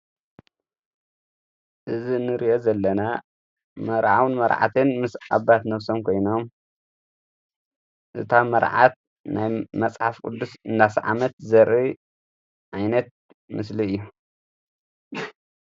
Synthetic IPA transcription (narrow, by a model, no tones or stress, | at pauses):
ʔɨzinɨɾiʔo̞zɐlːɐna | mɐɾʕawnmɐɾʕa̰t̪ʰɨnmɨsa̰βat̪nɐβsomkʰo̞jno̞m | ʔɨt̪ʰamɐɾʕa̰t̪̚ | najmɐt͡sʼħafkʼɨ̰d̪ːusɨnd̪asʕa̰mɐt̪̚zɐɾi | ʔajnɐt̪̚ | mɨsliɨjːu